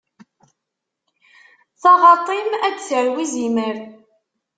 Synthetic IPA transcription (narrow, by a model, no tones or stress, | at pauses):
θɑʁɑt̪ˤːimæd̪t͡səɾwiziməɾ